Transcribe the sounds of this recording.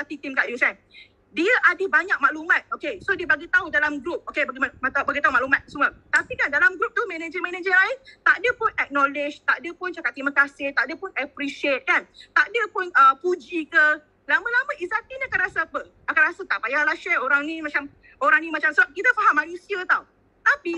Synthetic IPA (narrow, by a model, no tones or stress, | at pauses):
izat̪it̪imkaʔdisan | diəʔadəbaɲak̚maʔlumãt̪̚okesodiəbaɡit̪audalamɡɾup̚okebaɡimamat̪abaɡit̪auŋmaʔlumat̪̚sumət̪apikandalamɡɾup̚t̪umɛned͡ʒəmɛ̃ned͡ʒəlaɪnt̪aʔdəpʊnɛk̚nɔlɪd͡ʒt̪aʔdəpʊnt͡ʃakat̪ːiməkasɪht̪aʔdəpʊnɛpɾiʃiet̪̚kant̪aʔdəpʊnəpud͡ʒikə | lamə̃laməʔizat̪iniakanɾasaapə | akanɾasət̪apajaalaʃɛoɾaŋnĩmat͡ʃam | oɾaŋnĩmat͡ʃamsəbap̚kit̪əfaɦamːanusiət̪aw | t̪api